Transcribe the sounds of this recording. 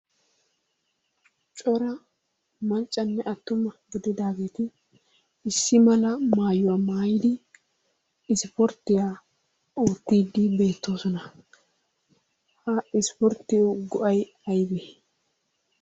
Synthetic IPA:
t͡ʃʼɔɾɐ | mɐnt͡ʃʼːɐnːɛʔɐt̪ːʊmɐɡɪd̪ɪd̪aːɡe̞ːt̪ɪː | sːɪmɐlɐmaːjʊwamaːjɪd̪ɪ | ɪspɔɾt̪ːɪjaː | oːt̪ːiːd̪ɪbe̞ːt̪ːo̞ːsɔnɐ | hɐɪspɔɾt̪ːɪjoɡɔʔɐj | ɐjbɛ

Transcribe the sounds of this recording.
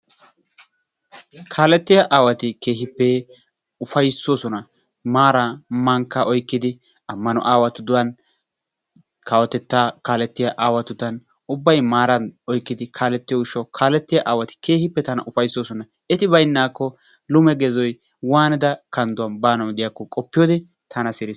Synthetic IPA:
kʰaːlɛt̪ːɪjaʔaːwɐt̪ɪke̞ːɦɪpːɛ | ʊfɐjsːoːsɔnɐ | maːɾamɐŋkːɐʔɔjkːɪd̪ɪ | ɐmːɐnɔ̰ʔaːwɐt̪ʊd̪ʊwɐn | kɐwɔt̪ɛt̪ːaːkaːlɛt̪ːɪjaʔaːwɐt̪ʊt̪ːɐn | ʊbːɐjmaːɾɐnɔjkːɪd̪ɪkʰaːlɛt̪ːɪjɔʊʃɔkʰaːlɛt̪ːɪjaʔaːwɐt̪ɪ̥ke̞ːhɪpːɛt̪ɐnɐ̰ʔʊfɐjsːoːsɔnɐ | ɛt̪ɪbɐjnːaːkːɔ | lʊmɛɡɛzɔj | waːnɪd̪ɐkɐnd̪ʊwɐnbaːnɐwd̪ɪjakːɔkʼɔpːɪjoːd̪ɛ | t̪ʰɐnɐsɪɾɪs

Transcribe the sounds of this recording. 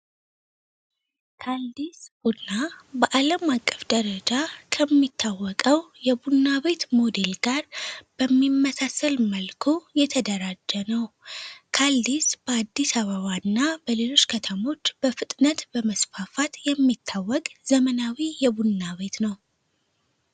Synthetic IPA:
kʰald̪isbunabəʔaləmakʼːəfd̪əɾəd͡ʒakʰəmːit̪ʰːawːɔkʼəwjɛbunːaβe̞t̪mo̞d̪e̞lɡaɾb̥əmːimːəsasəlməlkʰojɛt̪ʰəd̪əɾad͡ʒːənəwkʰald̪isb̥əad̪ːisaβəβanːabəle̞lo̞t͡ʃːkʰət̪ʰəmo̞t͡ʃːb̥əfɨt̪ʼnət̪bəməsfafat̪jɛmːit̪ʰːawːɔkʼz̥əmənawijɛbunːaβe̞t̪nəw

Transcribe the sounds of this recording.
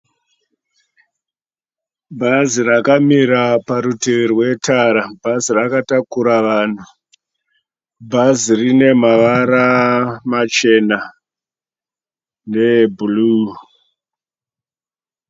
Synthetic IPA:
bʱazirakamiɾapaɾuterwe̞taɾabʱazirakatakuɾaʋaːn̤u | bʱazirine̞maʋaɾamat͡ʃe̞na | nebulu

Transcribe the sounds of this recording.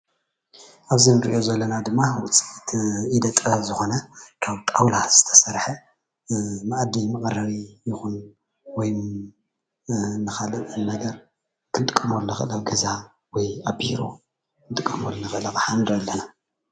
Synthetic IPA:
ʔaβzinɨɾʔiʔo̞zɐlːɐnad̪ɨmːawʊt͡sʼit̪ʰid̪ɐt̪ʼɐzɨxo̞nɐkʰaβt̪ʼawlaz̥ɨt̪ʰɐ̥sɐɾħɐ | maʔad̪imɨkʼɐɾɐɾijɪxun | wɔj | nɨxalɨtʼɨnɐɡɐɾ | kʰɨnt̪ʼɨkʼːɐmolnɐxɨ̰lɐɡɐza | wɔjabiɾo̰ | nt̪ʼɨkʼːɐmolnɐxɨlɐkʼħanɾɐlːɐna

